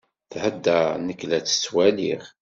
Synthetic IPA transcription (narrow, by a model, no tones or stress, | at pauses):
θhəd̪ːænəklæt͡sːə̥t͡sːwæliχ